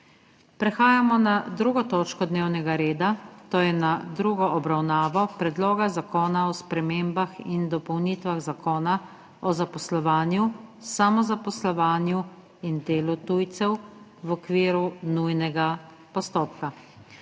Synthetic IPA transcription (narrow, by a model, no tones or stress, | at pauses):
pɾɛxaːjamɔnad̪ɾuːɡɔt̪oːt͡ʃkɔd̪neːwnɛɡaɾeːd̪at̪oːjɛnad̪ɾuɡɔʔɔbɾawnaːʋɔpɾɛd̪loːɡazakoːnaɔspɾɛmeːmbaxḭnd̪ɔpɔwnit̪ʋaɣzakoːna | ɔzapɔslɔʋaːnjusamɔzapɔslɔʋaːnju | ind̪eːlɔt̪ujt̪sɛwwɔkʋiːɾunujnɛɡa | pɔst̪oːp̚ka